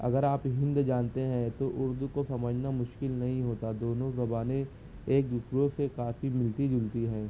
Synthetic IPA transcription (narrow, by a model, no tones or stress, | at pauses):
ɐ̰ɡəɾaːpɦɪ̃nd̪d͡ʒaːnt̪eɦɛ̃t̪oʔʊɾd̪ukosɐməd͡ʒʱnamʊʃkɪlnɐɦĩɦoːt̪ad̪oːnõzɐbaːne | eːk̚d͡ʒʊkɾosekaːfimɪlʈid͡ʒʊlt̪iɦɛ̃ː